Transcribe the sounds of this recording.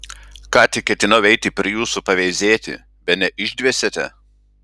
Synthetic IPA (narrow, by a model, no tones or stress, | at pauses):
kɑːt̪ʲɪk̚ːʲɛt̪ʲɪnɐʊɛɪt̪ʲɪpʲɾʲɪjuːsupɐʋʲɛɪzʲeːt̪ʲɪ̰ | bʲɛt̪nʲɛʔɪʒʲd̪ʲʋʲiɛsʲet̪ʲɛ